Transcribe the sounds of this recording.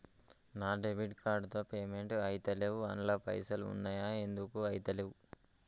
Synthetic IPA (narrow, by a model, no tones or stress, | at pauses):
naːɖebiʈkaːɾɖt̪oːpeːmeɳʈɐjt̪ɐlewuɐnlɐpɐ̰jsɐlṵnːajaːend̪ukuɐjit̪ɐlewu